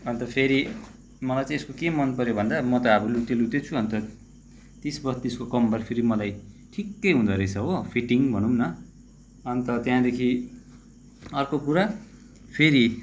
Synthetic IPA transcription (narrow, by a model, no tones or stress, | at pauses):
ʌnt̪ʌpʰeɾi | mʌlajt͡saĩeskokemʌnpʌɾjobʱʌnd̪amʌt̪ʌːbʌlut̪elut̪et͡sʰuʌnt̪ʌ | t̪isbʌt̪ieskokʌmbʌɾpʰeɾimʌlaj | ʈʰikːʌjɦũnd̪ʌɾejt͡sʰʌɦopʰiʈiŋbʱʌnumnʌ | ʌnt̪ʌt̪jãd̪ekʰi | ʌrkokuɾa | pʰeɾi